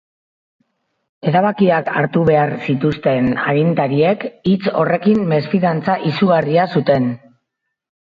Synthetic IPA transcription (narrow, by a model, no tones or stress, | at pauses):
e̞ɾaβ̞akiaka̰ɾt̪uβe̞aɾsit̪ust̪e̞na̰ɾint̪aɾie̞kit͡so̞̰re̞kimːe̞sfiðant͡saʔisuɣariasut̪e̞n